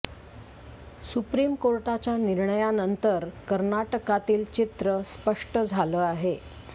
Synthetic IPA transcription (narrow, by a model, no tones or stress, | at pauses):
supɾiːmkoɾʈat͡ɕjaniɾɳəjanənt̪əɾkəɾnaʈəkat̪iːlt͡ɕit̪ɾəspəʂʈəd͡zʱaləːaɦe